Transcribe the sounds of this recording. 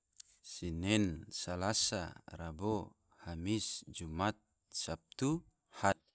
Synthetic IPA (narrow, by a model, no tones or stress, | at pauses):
sinɛnsalasa̰rabo | hamisd͡ʒumat̪̚ | sap̚t̪u | ha